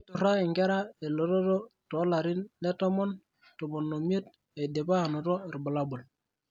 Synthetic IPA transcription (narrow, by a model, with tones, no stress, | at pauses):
i˦tu˨ɾa˦i˨ŋɡe˦ɾa˦e˨lo˨ɾɔ˦to˦to˨˦la˨ɾɪ˦nle˦tɔ˦mɔ˦n | to˨mo˨nːo˨mi˦e˦t̚ | e˨de˨pa˦˨no˨to˦˨ɾi˨bə˨la˦bu˨l